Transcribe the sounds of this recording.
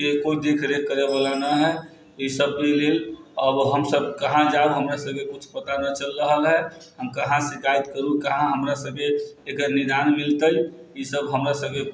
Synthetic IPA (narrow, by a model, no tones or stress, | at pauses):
ekoid̪ekʰɾekːəɾebalanəɦɛ | isəb̚keleləbɦəmsəbkəɦãd͡ʒauɦəmɾasəb̚kekut͡ʃʰpət̪anət͡ʃəlːəɦəlɦɛɦəmkəɦãseɡaid̪kəɾukəɦãɦəmɾasəb̚keːkənid̪anmilt̪əi | isəbɦəmɾasəb̚ke